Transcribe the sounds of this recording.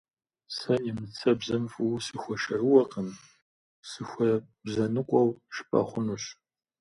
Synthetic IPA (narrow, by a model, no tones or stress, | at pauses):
sɐnimɨt͡sʰɐbzɐmfuwsɨxʷɔʃɐrɨwɐqəm | sɨxʷɐ | bzɐnɨkʷʼɔwʃɨ̥pʼɐ̰χʷʊnuɕ